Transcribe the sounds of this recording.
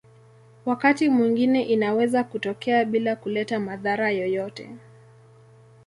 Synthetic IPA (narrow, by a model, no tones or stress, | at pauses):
wakatimwiŋɡinɛʔinawɛzakutɔkɛaɓilakulɛtamaðaɾajɔjɔtɛ̰